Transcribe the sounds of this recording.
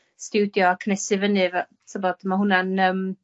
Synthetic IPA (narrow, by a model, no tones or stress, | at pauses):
stɪwdjɔakʰənɛsɨvənɨva | tʰəbɔd̥maɦʊnanəːm